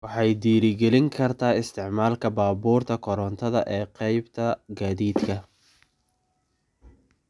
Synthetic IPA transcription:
wɑħɑjd̪iːɾɪɡɛlɪŋkʰɐrt̪ʰaːɪst̪ʰɪʕmaːlkʰɐbaːbuːrt̪ʰɐkʰɔɾɔnt̪ʰɐðɐ̰ʔɛːqɛjbt̪ʰɐɡaːðiːd̪kʰɐ

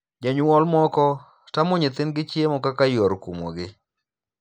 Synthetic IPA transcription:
d͡ʒaɲwɔlmɔkɔ | tamʊɲɪt̪ɪnɡɪt͡ʃjemɔkakajoɾkumo̰ɡɪ

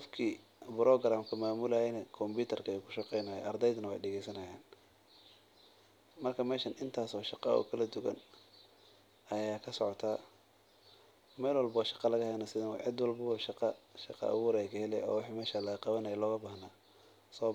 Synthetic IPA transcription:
qɔfkʰiː | bɪɾɔɡɾaːmkʰɐmaːmʊlɐjɛnɛkʰɔmbuːt̪ʰɐrkʰɐɛjukʰʊ̥ʃɑqɛjnaːjɛ̰ʔɐrd̪ɛjd̪nɐwɛ̰jɖɛɣɛjsɐnɐja̰ːn | mɐrkʰɐmɛːʃɐnʔɪnt̪ʰaːsɔːʃɑqɑ̰ɔ̰kʰɐlɐd̪ʊɣɐ̰n | ɐjaːkʰɐsɔʕɔt̪ʰaː | mɛːlwɐlbɐwʃɑ̥qɑlɐɣɐhɛjnɐsɪðɐw̰ʕɪd̪wɑlbɐβɔʃɑqɑʃɑqɑ̰ʔɐ̰wuːɾɛjkʰɐhɛlɛ̰jɔ̰ːwɑħiːmɛːʃalɐɣɐqɑβɐnɐjɛlɔːɣɐbaːhnaː | sɔː

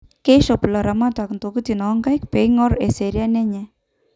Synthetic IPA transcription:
keʃɔpulaɾamat̪aknt̪okut̪inɔŋɡajkpeŋɔɾɛseɾjanɛɲɛ

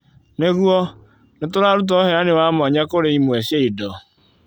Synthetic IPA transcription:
neɣuɔ | nʊtʊɾaɾʊt̬ɦeɾanɪwamɔɲakʊɾeimueseidɔ

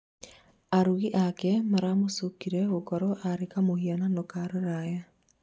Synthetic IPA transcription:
aɾuɣiʔakɛmaɾamosukiɾɛɣokɔɾɔʔaɾekamohiɔnanokaɾeɾaja

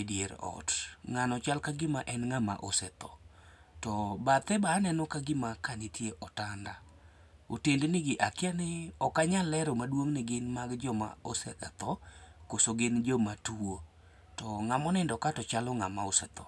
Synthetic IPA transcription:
djeɾɔ̰tŋanɔt͡ʃalkaɡɪmaʔɛnŋama̰ʔo̰sɛt̪ɔ̰ | tɔbat̪ɛbaːnɛnɔkaɡɪmakanɪtjeʔɔtanda | otendenɪɡɪʔakɪanɪɔkaɲalɛɾɔmadwoŋnɪɡɪnmaɡd͡ʒɔma̰osɛka̰t̪ɔkosoɡɪnd͡ʒɔmatuo | tɔŋamɔnɛndɔkatɔt͡ʃalɔŋamaosɛt̪ɔ̰

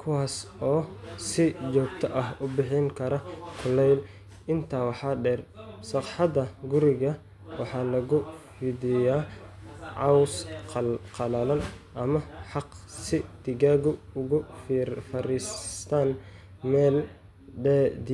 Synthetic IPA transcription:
kʰʊwaːsɔːsɪt͡ʃɔːɡ̚t̪ʰɐʔɐɦʊbɪħɪŋkʰɐɾɐkʰʊlɛjl | ɪnt̪ʰaːwɑħɑːɖɛːrsɑqħɑd̪ɐɡʊɾɪɣɐ | wɑħɑːlɐɣʊfɪdɪjaː | ʕɑwsqqʰɑlɐlɐnʔɐmɐħɑqsɪd̪̥ɪɣaːɣʊʊɣʊfifɐɾiːst̪ʰaːn | mɛːl | ɖɛd̪i

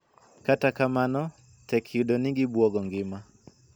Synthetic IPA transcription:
katakamanɔ | tɛkʰjudɔnɪɡɪbwɔɡɔŋɡɪma

